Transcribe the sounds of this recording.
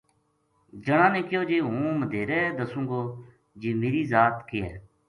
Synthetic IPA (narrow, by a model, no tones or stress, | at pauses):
d͡ʒəɳãːnẽːkɪjoːd͡ʒeːɦũːməd̪ʱeːɾɛːd̪əsũːɡoː | d͡ʒiːmeːɾiːzaːt̪kɪːɦɛ̰ː